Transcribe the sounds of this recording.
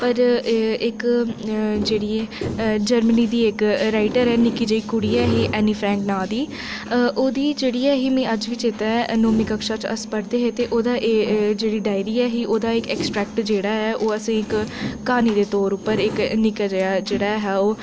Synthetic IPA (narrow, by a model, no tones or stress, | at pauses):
pəɾɪk | d͡ʒeːɽiːɛːd͡ʒəɾməniːd̪iːɪkɾaːɪʈəɾɛːnɪkiːd͡ʒəiːkʊɽiːɛːɦiːʔɛːniːpʰɾɛ̃ːŋknaːd̪iː | ʔoːd̪iːd͡ʒeːɽiːɛːɦiːmɛ̃ːəd͡ʒʋiːt͡ʃɪt̪aːɛnoːmiːkəkʃaːt͡ʃə̰spəɾd̪eːɦeːt̪eːʔoːd̪aːʔd͡ʒeːɽiːɖaːɪɾiːɛːɦiːʔoːd̪aːɪkɛːksʈɾɛːk̚ʈd͡ʒeːɽaːɦɛːʔoːəsẽːɪkːaːniːd̪eːt̪oːɾʊpːəɾɪknɪkad͡ʒəjaːd͡ʒeːɽaːɦɛːoː